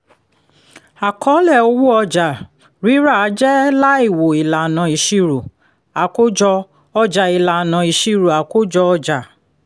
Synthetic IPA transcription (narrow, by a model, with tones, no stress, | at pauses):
a˨kʰɔ˨˦lɛ˦˨o˧˦wu˦ɔ˧d͡ʒa˨ | ɾi˨˦ɾa˦˨a˨˦d͡ʒɛ˦la˦i˦˨wo˨i˨la˨nã˨i˨ʃi˧ɾo˨ | a˨ko˦d͡ʒɔ˧ | ɔ˧d͡ʒa˨i˨la˨nã˨i˨ʃi˧ɾo˨a˨ko˦d͡ʒɔ˧ɔ˧d͡ʒa˨